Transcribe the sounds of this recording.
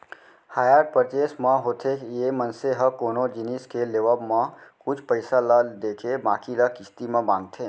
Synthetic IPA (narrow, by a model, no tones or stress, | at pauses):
haːjəɾʈ̚pəɾdeːsmãɦoːt̪ʰekjemənseɦəkoːnod͡ʒiniskeleʋəbmãkʊt͡ʃʰpəɪsaləd̪eːkʰebãːkiləkɪst̪imẽbãːŋɡ̚t̪ʰeː